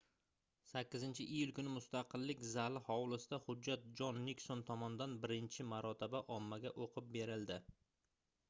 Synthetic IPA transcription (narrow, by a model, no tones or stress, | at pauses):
sakʲːɪzɪnt͡ʃʰɪʔijʊlˠkʊnɪmʊst̪aqɨlːɪkʲzalɪhɒwlɪsɪd̪ahʊd͡ʒːat̪̚d͡ʒɒnːiksont̪ʰɒmɒnɪd̪anbɪɾɪnt͡ʃʰɪmaɾɒt̪ʰɪbaʔɒmːaɡʲaʔoqʰɨp̚be̞ɾɪld̪ɪ